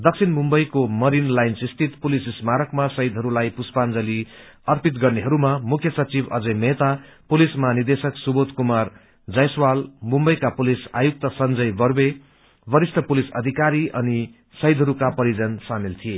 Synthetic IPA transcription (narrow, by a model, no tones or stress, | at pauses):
d̪ʌk̚sʰinmumbʌjkomʌɾinlajnsist̪ʰit̪pulisismaɾʌkmasʌid̪ʱɦʌɾulajpuspand͡zʌli | ʌrpit̪ɡʌrneɦʌɾumamukʰjʌsʌt͡sibʌ̰d͡zʌjmet̪apulismanird̪esʌksubot̪kumar | d͡zʌjswalmumbʌjkapulisa̰juk̚t̪ʌsʌnd͡zʌjbʌrbe | bʌɾist̪ʰʌpulisʌ̰d̪ʱikaɾiʔʌ̰ni | sʌjd̪ʱɦʌɾukapʌɾid͡zʌnsamilt̪ʰije